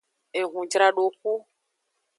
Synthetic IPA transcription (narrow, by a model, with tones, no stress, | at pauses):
e˨ɣũ˨d͡ʒɾa˦ɖo˨k̚u˦